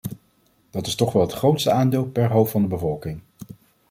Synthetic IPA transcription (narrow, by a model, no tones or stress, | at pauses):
d̥ɑtɪ̥stɔχʋɛlˠɦətχrowtstəaːndɪːlˠpɛɹɦowffɑndəbəvɔlˠkɪŋ